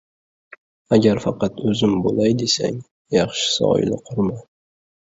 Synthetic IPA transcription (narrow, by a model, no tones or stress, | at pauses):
aɡʲaɾfɑqɑt̪ʰɵzɪmbolˠajd̪esa̰ŋ | jɑχʃɪ̥sɒ̰ɪ̰nɪqʰʊɾma